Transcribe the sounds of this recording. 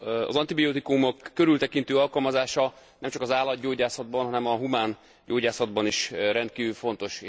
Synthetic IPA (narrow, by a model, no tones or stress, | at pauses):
ɒ̰zɒnt̪ibioːt̪ikumokːøɾylt̪ɛkint̪øːɒlkɒlmɒzaːʃɒ | nɛmt͡ʃɒkɒzaːlːɒd̪ɟoːɟaːsɒd̪̚bɒnɦɒnɛmɒɦumaːn | ɟoːɟaːsɒd̪bɒniʃrɛnt̪̚kiːvylfo̞n̪t̪o̞ʃ